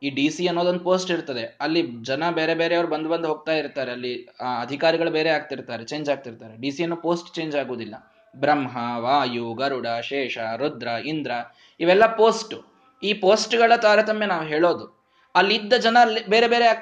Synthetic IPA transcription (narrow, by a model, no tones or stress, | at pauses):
iːɖiːsiɐnːod̪ond̪upo̞ːsʈiɾt̪ɐd̪e̞ɐlːid͡ʒɐnɐbe̞ːɾebe̞ːɾeɐʋɐɾubɐnd̪bɐnd̪uɦo̞ːɡ̚t̪aːjiɾt̪aːɾeɐlːiaːɐd̪ʱikaːɾiɡɐɭubeːɾeaːɡ̚t̪iɾt̪aːɾet͡ʃeːɲd͡ʒaːɡ̚t̪iɾt̪aːɾeɖiːsiɐnːuːpoːsʈt͡ʃe̞ːɲd͡ʒaːɡoːd̪ilːɐ | bɾɐmɦɐʋaːjuɡɐɾuɽɐʃeːʃɐɾud̪ɾɐind̪ɾɐ | iʋɛlːɐpo̞ːsʈu | iːpoːsʈɡɐɭɐt̪aːɾɐt̪ɐmjenaːʋuɦeːɭo̞ːd̪u | ɐlːid̪ːɐd͡ʒɐnɐlːibe̞ːɾe̞be̞ːɾeaː